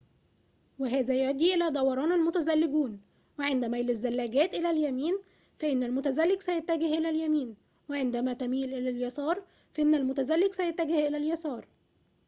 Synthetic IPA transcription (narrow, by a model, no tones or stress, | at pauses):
weɦæːzæjoʔd̪iːʔelæːd̪ˤɑwɑɾˤɑːnælmʊt̪æzælːɪɡuːn | weʕend̪æmælæzːælːæːɡæːt̪ʔelæljæmiːn | fæʔɪnːælmʊt̪æzælːɪɡsæjæt̪ːæɡɪhʔelæljæmiːn | weʕend̪æmæt̪æmiːlʔelæljɑsɑːɾˤ | fæʔenːælmʊt̪æzælːɪɡsæjæt̪ːæɡɪhʔɪlæljɑsɑːɾˤ